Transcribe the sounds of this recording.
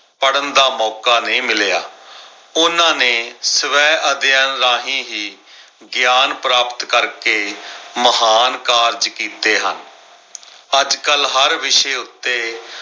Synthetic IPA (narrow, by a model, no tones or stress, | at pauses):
pəɽənd̪aːmɔːkaːnẽːmɪleja̰ː | ʊnãːneːsəʋɛːʔəd̪jənɾaːɦĩːɦiː | ɡjaːnpɾaːpət̪kəɾkeːməɦaːnkaːɾd͡ʒkiːt̪eːɦə̰n | əd͡ʒkəlɦəɾʋɪʃeːʊt̪ːeː